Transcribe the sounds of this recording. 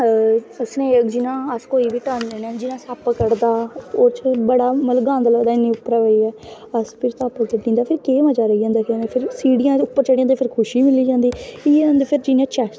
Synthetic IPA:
əsnẽːd͡ʒɪnãːəskoːiːbiːt̪aːnɛːnãːd͡ʒɪnãːsaːpəkəɽd̪aːoːɾt͡ʃbəɽaːməlɡãːnd̪ələːd̪aːɪnːĩːʊpːɾaːʋəiːɛː | əspʰɪɾt̪aːpək̪eʈĩːnd̪aːpʰɪɾkeːmad͡ʒaːɾəiːd͡ʒãːnd̪aːkɛːnẽːpʰɪɾsiːɽɪjãːʊpːəɾt͡ʃəɽijãːd̪eːpʰɪɾkʰʊʃiːmɪliːd͡ʒãːnd̪iːɪ̃ːnd̪eːpʰɪɾd͡ʒinãːt͡ʃɛː

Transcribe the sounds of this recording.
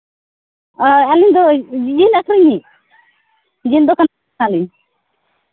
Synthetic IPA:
ɛliɲd̪ɔd͡ʒinakɾiɲi | d͡ʒind̪ɔkan | aliɲ

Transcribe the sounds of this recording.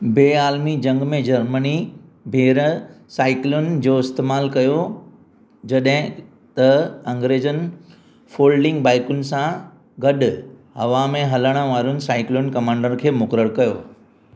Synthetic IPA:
beːaːlmid͡ʑɐ̃ŋɡmẽd͡ʑɐɾmənibʱeːɾ | saːɪklʊnd͡ʑoːɪst̪eːmaːlkɐjo | d͡ʑɐɗɦɪ̃ | t̪ɐɐ̃ŋɡɾeːd͡ʑən | foːlɖɪ̃ŋɡbaːɪkʊnɪ̆sã | ɡɐɗʊɦɐʋãmẽɦɐləɽ̃əʋaːɾʊnɪ̆saːɪklʊnkɐmãːɳɖəɾkʰeːmʊkɾəɽkɐjoː

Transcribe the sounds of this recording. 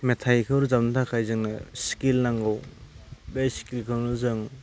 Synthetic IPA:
metʰajkʰɯwɾuzap̚natʰakʰajzɯŋnɯsi̥kilnaŋɡɯw | bejsi̥kilkʰɯɾnɯzɯŋ

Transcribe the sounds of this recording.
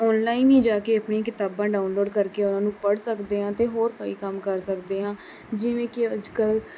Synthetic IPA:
ɔːnlaːiːnĩːd͡ʒaːkeːəpɳĩːkɪt̪aːbãːɖaːʊnloːɖkəɾkeːʊnãːnũːpəɽsəkd̪eːɦãːt̪eːɦoːɾkoːiːkəmkəɾsəkd̪eːɦãː | d͡ʒɪʋẽːkɪəd͡ʒkəl

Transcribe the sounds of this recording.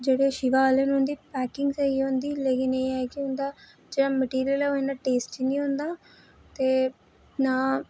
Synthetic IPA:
d͡ʒeɽeʃiʋaːlenũnd̪iːpɛːkɪ̃ŋɡsɐiõːnd̪iːleːkɪneaːkiɦʊ̃nd̪aː | d͡ʒeɽaməʈiːɾijəleɦoĩnaʈeːsʈt͡ʃinĩɦõnd̪aː | t̪e | naː

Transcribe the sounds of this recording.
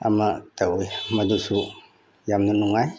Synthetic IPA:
a̰məʔt̪əihmad̪usuʔ | jamnənuŋaj

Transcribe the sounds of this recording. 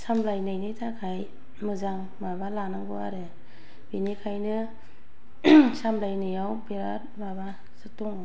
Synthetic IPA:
samlajnɯjnɯjtʰakʰaj | mɯzaŋ | mabalanɯŋbɔa̰ɾɯ | binikʰajnɯ | samlajnɯjawbeɾat̚ | maba | sɯtɔŋ

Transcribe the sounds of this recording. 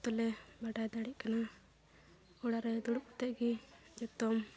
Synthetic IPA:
t̪ɔlɛbaɖajd̪aɽiʔkana | ɔɽaɾɛd̪uɽuʔɔt̪ɛʔɡid͡ʒɔt̪ɔm

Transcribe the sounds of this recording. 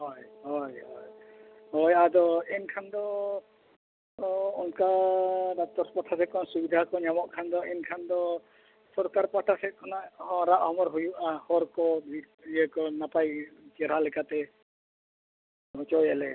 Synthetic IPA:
ɦɔjɦɔjɔj | hɔjad̪ɔɛnkʰand̪ɔ | ɔŋkad̪at̪ɔɾspaʈʰasɛkɔnsubid̪ʱakɔɲamɔʔkʰand̪ɔɛnkʰand̪ɔ | sɔɾkaɾpaʈʰasɛkɔnaʔɦɔ̃ɾaʔhɔmɔɾɦujuʔahɔɾkɔbʱi | əkɔnapajt͡ʃɛɾ̤alɛkat̪ɛ | ɦɔt͡ʃɔjɛlɛ

